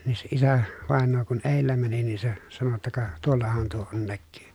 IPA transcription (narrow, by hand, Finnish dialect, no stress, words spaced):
niː se isæ ʋɑˑenːoː kun eˑilːæ mæni nin se sɑno tːɑ kɑ tuolːɑhɑn tuo on nækːyː